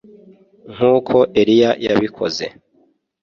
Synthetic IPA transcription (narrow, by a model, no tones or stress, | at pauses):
ŋ̥uːkʰo̞ʔe̞ɾijajaβikʰo̞̰ze̞̰